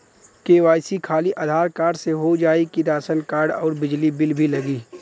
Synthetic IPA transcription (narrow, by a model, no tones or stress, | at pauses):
keːʋaːjsikʰaːliʔaːd̪ʱaːɾkaːɾɖseɦod͡ʒaːikid̪aːsənkaːɾɖɔːɾbɪd͡ʒlibɪlbʱilɐɡiː